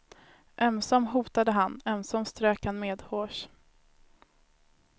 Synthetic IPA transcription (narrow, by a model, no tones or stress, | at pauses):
ʔɛmsɔmɦuːt̪ad̪əɦanɛmsɔmst̪ɾøːkhanmeːd̪hoːʂ